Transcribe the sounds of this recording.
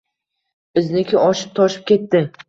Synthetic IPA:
bɪznɪkʲɪɒʃɪp̚t̪ʰɒʃɪ̥p̚kʲe̞t̪ːɪ

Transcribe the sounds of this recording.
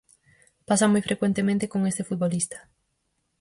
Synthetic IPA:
pasamojfɾʔekwent̪emẽnt̪ekoŋest̪efut̪̚βolist̪ɐ̥

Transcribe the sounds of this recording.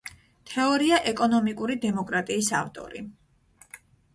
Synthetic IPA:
t̪ʰɛɔɾiaʔɛkʼɔnɔmikʼuɾid̪ɛmɔkʼɾat̪ʼiːsa̰vt̪ʼɔ̰ɾḭ

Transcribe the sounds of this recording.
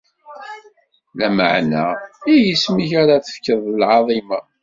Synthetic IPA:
læmə̰ʕna̰ijəsmiçaɾaθə̥fkəðˤəlʕɑðˤimɑ

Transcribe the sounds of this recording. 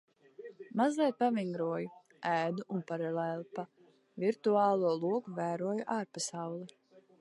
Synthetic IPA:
mazlʲˠiɛt̪̚paviŋɡɾuɔju | æːd̪uʔunpaɾalɛːlˠpa | vʲiɾt̪uaːlˠuɔlˠuɔkuvæːɾuɔjuʔaːɾpasawlˠi

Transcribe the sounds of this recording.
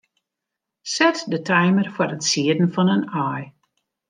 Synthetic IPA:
sɛtdətʰɛjmərfwɔɾətsiədn̩fɔnənaːj

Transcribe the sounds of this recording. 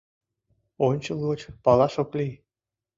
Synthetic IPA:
onʲt͡ɕəlɣot͡ɕpɑlɑʃoklij

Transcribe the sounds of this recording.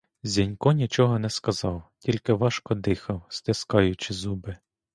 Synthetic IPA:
zʲinʲkɔnʲit͡ʃɔɦɔnɛskɐzɑwtʲilʲkɪʋɑʃkɔd̪ɪxɐwst̪ɪskɑjʊt͡ʃɪzubɪ

